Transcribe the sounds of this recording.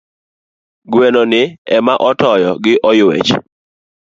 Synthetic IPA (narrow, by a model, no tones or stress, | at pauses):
ɡwɛnonɪɛmaʔɔtɔjɔɡɪʔɔjwɛ̰t͡ʃ